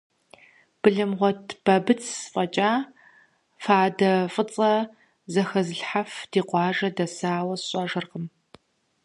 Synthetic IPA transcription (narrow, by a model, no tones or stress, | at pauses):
b̥ɨɮɨmʁʷɔtʰb̥ɐbɨt͡sʰfʼɐt͡ʃʼaː | faːdɐfʼɨt͡sʼɐ | zɐxɐzɨɬħafd̥iːqʷɑːʒɐdɐsaːwɐsɕʼɐʒɨrqəm